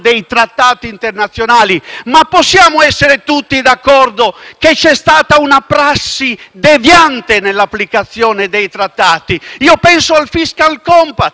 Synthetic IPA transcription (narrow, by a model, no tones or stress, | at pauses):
d̪ejt̪ɾat̪ːaːt̪iːnt̪ernat̪sːjonaːlimapːosːjaːmoɛsːeɾet̪ut̪ːid̪akːɔrd̪oket͡ʃɛst̪aːt̪aunapɾasːid̪evjant̪enelːapːlikat̪sːjɔːned̪ejt̪ɾat̪ːaːt̪iiːopɛnsoalfiskalkɔmpa